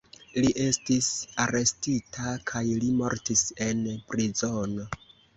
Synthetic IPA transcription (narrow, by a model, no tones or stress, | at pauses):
liʔe̞stisaɾe̞stitʰakʰajlimo̞ɾtise̞npɾizo̞no̞